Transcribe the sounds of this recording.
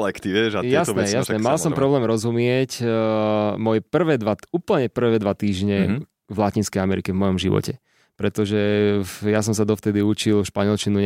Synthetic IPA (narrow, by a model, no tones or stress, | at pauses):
lɛkt̪iʋɛʒajɛasɛɛjasnɛmalssɔmpɾɔblɛːmɾɔzumɪɛc | mɔjɛpr̩ʋɛːd̪ʋauːpl̩ɲɛpr̩ʋɛːd̪ʋat̪iːʒɲɛ | vlacinskɛjamɛɾikɛvmɔjɔmʒiʋɔ̰cɛ | pɾɛt̪ɔʒɛjas̬ɔms̬ad̪ɔft̪ɛd̪iut͡ʃilʃpaɲɛlt͡ʃinuɲ